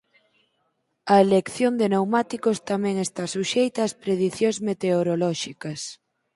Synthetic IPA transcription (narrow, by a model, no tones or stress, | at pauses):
ɐelekθjond̪enewmat̪ikost̪amɛ̃ŋest̪asuʃejt̪ɐːspɾeðiθjõŋzmet̪eoɾolɔʃikɐs